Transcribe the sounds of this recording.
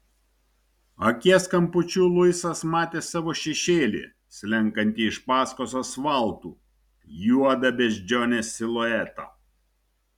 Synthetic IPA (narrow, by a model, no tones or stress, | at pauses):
ɐkʲiɛskɐmpʊt͡ʃʲuːlˠʊjsɐsmɑːt̪ʲeːsɑːʋoːʃʲɛʃʲeːlʲḭː | sʲlʲɛŋˑkɐnʲt̪ʲiɪʃpɑːskososʋɐˑlˠˑt̪ṵː | juɔd̪ɐbʲɛʒʲd͡ʒʲoːnʲeːsʲɪlˠoːɛt̪o̰ː